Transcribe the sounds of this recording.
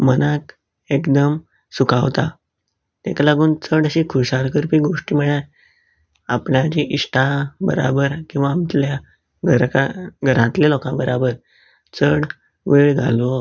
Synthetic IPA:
mənak | ekd̪əm | sukaʋt̪a̰ | t̪ekalaɡuːnt͡səɽəɕiːkʰuɕaɾkəɾpiːɡoʂʈiːməɭa | apɳjat͡ɕiʔiʂʈʰabə̰ɾa̰bəɾkĩw̃ʋaːmt̪lja | ɡʱəɾkaɡʱəɾãt̪lelɔkãbəɾabəɾ | t͡səɽ | ʋeɭɡʱa̰lʋo

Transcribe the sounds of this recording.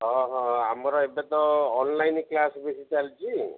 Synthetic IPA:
ɦɔ̃ɦɔamɔɾɔebet̪ɔːnlajnklasbesit͡ʃalt͡ʃʰi

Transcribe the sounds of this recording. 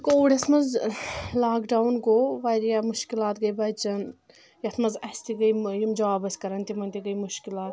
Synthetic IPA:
koɽʲɐsmɐzlaːkɖaːwnɡoːʋaːɾjamuʃkilaːt̪ɡɐjbɐjt͡ʃɐn | jɐt̪ʰmɐzɐsʲt̪iɡɐjjimd͡ʒɐʋaːbɐsʲkɐɾɐnt̪imɐnt̪iɡɐjmuʃkilaːt̪

